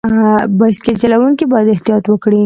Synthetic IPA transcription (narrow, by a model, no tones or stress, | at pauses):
basket͡ʃalawuŋkibɑjad̪ɪht̪ijɑt̪wəkɽi